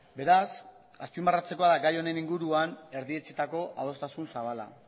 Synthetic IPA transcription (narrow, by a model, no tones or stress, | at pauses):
be̞ɾas | aspimbarat͡se̞ko̞aðaɡajo̞ne̞niŋɡuɾuane̞ɾðie̞t͡se̞t̪ako̞ʔa̰ðo̞st̪asunsaβala̰